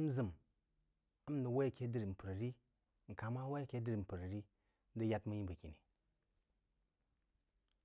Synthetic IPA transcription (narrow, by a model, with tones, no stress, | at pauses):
m˦zɨ˨m | a˦m˦nə˨wa˦jke˦dɨ˦ɾi˨m̩˨pɨ˨ɾɾi˦ | ŋ̩˨ka˨ma˦wa˦˨ke˦dɨ˦ɾi˨m̩˨pɨ˨ɾɾi˦ | n˦dɨ˦ja˦tmu˦ji˦bə˨kʲi˨ni˨